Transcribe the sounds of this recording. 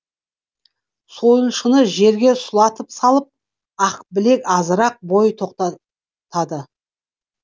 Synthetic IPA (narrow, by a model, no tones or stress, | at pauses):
so̞jlˠʃənəʒe̞ɾɡʲe̞sʊlˠɑt̪əpsɑlˠəp̚ | ɑqbɪle̞kʲɑzəɾɑq̚bo̞jt̪ʰoqt̪ɑ | t̪ɑd̪ə